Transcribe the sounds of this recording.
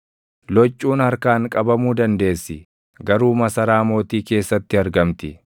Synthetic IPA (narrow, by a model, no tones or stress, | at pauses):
lɔt͡ʃʼːuːnhɐɾkaːŋkʼɐbɐmuːd̪ɐnd̪e̞ːsːɪ | ɡɐɾuːmɐsɐɾaːmo̞ːt̪iːke̞ːsːɐt̪ːɪɐɾɡɐmt̪ɪ